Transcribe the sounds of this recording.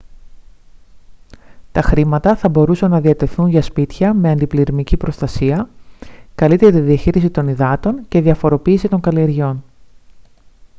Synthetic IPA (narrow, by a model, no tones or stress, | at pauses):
t̪ɐxɾimɐt̪ɐθɐbo̞ɾusɐnːɐðiɐt̪e̞θunʝɐspit̪çɐme̞ɐnd̪ipliɾimicipɾo̞st̪ɐsiɐ | kɐlit̪e̞ɾɐt̪iðiɐçiɾisit̪o̞niðɐt̪o̞ɲce̞ðiɐfo̞ɾo̞piːsit̪o̞ŋɡɐlie̞ɾʝo̞n